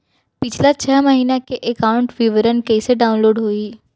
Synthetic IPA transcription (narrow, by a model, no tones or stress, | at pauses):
pɪt͡ʃʰlat͡ʃʰəɦməɦiːnakeʔekaʊ̃ɳʈʋiʋəɾənkeiseɖaːʊ̃nloːɖɦoːiː